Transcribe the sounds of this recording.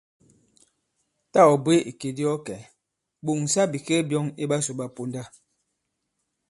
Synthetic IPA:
ta˦˨ɔ˨bwe˦ʔi˨ke˨di˦ɔ˦kɛ˨ | ɓu˨ŋ˨sa˦bi˨ke˦bjɔ˦ŋi˦ɓa˦su˨ɓa˦pu˦nda˦

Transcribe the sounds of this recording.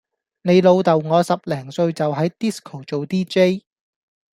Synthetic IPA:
ne˨˧jlo˨˧wt̪ɐ˨wŋɔː˨˧sɐ˨p̚lɛː˨˩ŋsɵ˧ɥt͡sɐ˨wɦɐ˨˥jt̪iː˥skʰo˨˩wt͡ʃo˨wt̪iː˥t͡ʃe˥j

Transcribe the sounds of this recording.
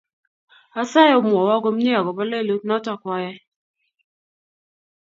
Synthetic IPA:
a˦sa˦jɔ˦mwɔ˨wa˦ɡo˦mɲɛ˦a˨ɡɔ˨ba˦le˦˨lo˦nɔ˦tɔ˦˨kwɔ˦jɛ˦

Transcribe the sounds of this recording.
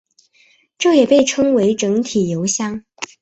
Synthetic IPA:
ʈ͡ʂo˥˩jɛ˨˩pe˥˩ɪʈ͡ʂʰɤ˥ŋwe˧˥ɪʈ͡ʂɤ˧˥ŋt̪ʰi˨˩jo˧˥ʊɕjɑ˥ŋ

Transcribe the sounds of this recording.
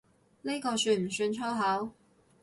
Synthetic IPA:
ne˥kɔː˧syː˧˩m̩˨˩syː˧nt͡ʃʰɔ˥wɦɐ˨˥w

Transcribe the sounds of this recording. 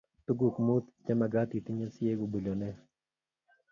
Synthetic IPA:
t̪u˦ɡu˨kmu˦t̪t͡ʃɛ˦ma˨ɡa˦t̪i˨t̪i˦ɲɛ˦lsɪ˦e˦ɡo˨bu˨lɔ˨nɛ˦

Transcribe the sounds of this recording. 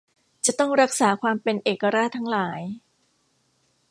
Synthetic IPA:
t͡ɕa˨˩t̪ɔ˥˩ŋɾa˦˥k̚saː˩˦kʰwaː˧mpe˧nʔeː˨˩kːa˧ɾaː˥˩t̪ʰːa˦˥ŋlaː˩˦j

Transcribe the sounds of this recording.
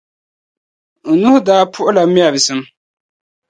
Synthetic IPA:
n̩˨nu˦hʊ˦daː˦pʰʊ˦ʔʊ˦la˨˦mi˦a˨bɪ˨sɨ˦m

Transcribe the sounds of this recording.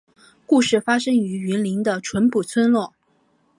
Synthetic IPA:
ku˥˧ʂɻ̩˥˩fa˥ʂɤ˥ŋy˧˥y˧˥nli˧˥ŋd̪ə˧ʈ͡ʂʰwə˧˥npu˨˩t͡sʰwə˥nlwɔ˥˩

